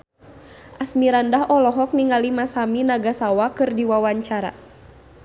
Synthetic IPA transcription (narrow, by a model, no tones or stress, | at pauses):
ʔasmiɾandaɦɔlɔɦɔk̚niŋalimasaminaɡasawakɨrdiwawaɲt͡ʃaɾa̰